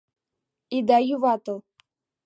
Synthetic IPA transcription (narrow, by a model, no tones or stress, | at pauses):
id̪ajuvat̪o